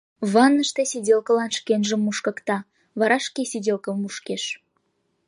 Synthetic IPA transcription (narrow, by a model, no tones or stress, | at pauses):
βɑnːəʃt̪esʲidʲelkəlɑnʃkenʒəmːuʃkə̆kt̪ɑ | βɑɾɑʃkesidʲelkəmuʃkeʃ